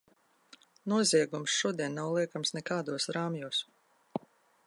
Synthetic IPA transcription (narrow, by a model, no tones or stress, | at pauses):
nuɔziɛɡumsʃuɔd̪iɛnːawlˠiɛkamsnɛkaːd̪uɔsɾaːmjuːs